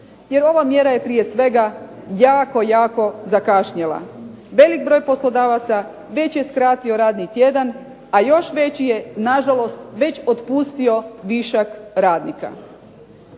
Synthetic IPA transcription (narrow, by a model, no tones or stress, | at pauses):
jeɾo̞ʋamjeɾaje̞pɾije̞sʋe̞ɡajaːko̞jaːko̞zakaʃɲelˠa̰ | ʋe̞lik̚bɾo̞ːjpo̞slˠo̞d̪aːʋat̪sa | ʋe̞t͡ɕje̞skɾaːt̪io̞ɾaːd̪nit̪je̞d̪an | ajo̞ʃʋe̞t͡ɕije̞naʒalo̞st̪ʋe̞t͡ɕot̪pust̪io̞ʋiʃakɾaːd̪nika̰